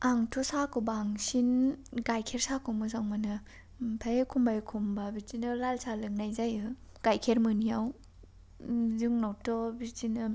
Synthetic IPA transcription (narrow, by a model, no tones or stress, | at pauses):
aŋtʰosakɯbaŋsinɡajkʰeɾsakʰumɯzaŋmanɯ | pʰajekʰumbajkʰumbabiɾtinɯlalsalɯŋnajzajɯ | ɡ̥ajkʰeɾmɯnijaw | zɯŋnawtɔbitinɯ